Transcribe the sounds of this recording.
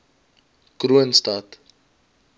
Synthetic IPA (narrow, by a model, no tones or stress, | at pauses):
kruənstɐt